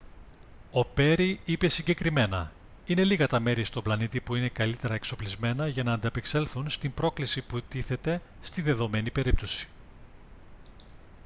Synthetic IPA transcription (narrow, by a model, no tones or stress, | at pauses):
o̞pe̞ɾiipe̞siɲɟe̞kɾime̞nɐ | ine̞liɣɐt̪ɐme̞ɾist̪o̞blɐnit̪ipuine̞kɐlit̪e̞ɾɐekso̞plizme̞nɐʝɐnɐːnd̪ɐpekse̞lθunst̪imbɾo̞klisiput̪iθe̞t̪e̞ | st̪iðe̞ðo̞me̞nipe̞ɾip̚t̪o̞si̥